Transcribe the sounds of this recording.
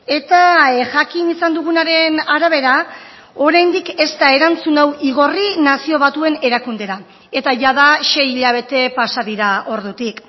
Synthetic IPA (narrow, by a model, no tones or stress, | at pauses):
e̞t̪aʝakinisand̪uɣ̞unaɾe̞naɾaβ̞e̞ɾa | o̞ɾajnd̪ike̞st̪ae̞ɾant͡sunawiɣo̞rinasio̞β̞at̪ue̞ne̞ɾakund̪e̞ɾa | e̞t̪aʝaðaʃe̞jiʎaβ̞e̞t̪e̞pasaðiɾao̞ɾðut̪ik